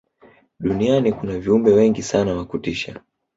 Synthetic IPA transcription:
ɗunianikunaviumbɛwɛŋɡisanawakutiʃa̰

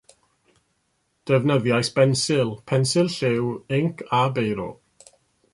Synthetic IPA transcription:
d̥əvnəðjajsb̥ɛnsɪlˠpʰɛnsɨlˠɬɪwɪŋkʰabejɾɔ̰

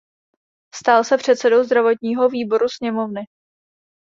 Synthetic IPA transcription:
st̪aːlsɛpr̝̥ɛt̪sɛdo̞wzd̪ɾavo̞t̪ɲiːɦo̞viːbo̞ɾusɲɛmo̞vnɪ

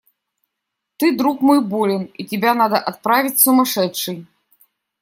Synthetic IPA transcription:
t̪ɨd̪ɾukmɔjbɔlʲɪnit͡sʲɪbʲanad̪ɐʔat̪̚pɾavʲit͡sʲsumaʂɛtt͡ʂːɨj

